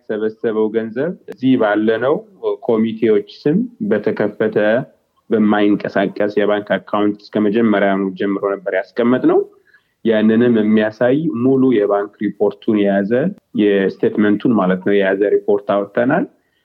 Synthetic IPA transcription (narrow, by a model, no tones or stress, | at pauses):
səβəsəβəwɡənzəβɨzːihbalːənəwkʰo̞mit̪ʰe̞wo̞t͡ʃːsɨmbət̪ʰəkʰəfːət̪ʰə | bəmːajɨŋkʼəsakʼːəsjɛβaŋkakʰːawnt̪ɨ̥skʰəməd͡ʒɛmːəɾjanuwd͡ʒɛmːɨɾonəbːəɾjaskʼəmːɨt̪ʼnəw | janːɨnɨmɨmːijasajmulujɛβaŋkɾipʰo̞ɾt̪ʰunjɛjazə | jɛst̪ʰet̪mənt̪ʰunmalət̪nəwjɛjazəɾipʰo̞ɾt̪awɔt̪ʼːənal